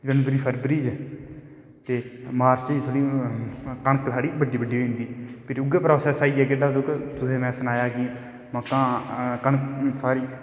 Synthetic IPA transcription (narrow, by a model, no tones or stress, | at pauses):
ɡəɳbɾiːpʰəɾbɾiːd͡ʒ | t̪eːmaːɾt͡ʃiːd͡ʒt̪ʰoːɽiː | kəɳəksʰaːɽiːbəɖiːbəɖːiːoːĩnd̪iːpʰɪɾʊɡeːpɾoːsɛːsaːiːɛːkeːɖaːd̪oːkt̪ʊsẽːmɛ̃ːsənaːjaːkɪ | məkːãːkəɳksʰaːɾiː